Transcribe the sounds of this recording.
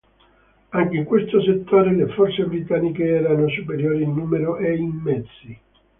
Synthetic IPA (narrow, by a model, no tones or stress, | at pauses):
aŋkeiŋkwest̪oset̪ʰːoːɾelefɔrt̪sebɾit̪anːikeɛːɾanosupeɾjoːɾiinːuːmeɾoʔeimːɛd̪zːi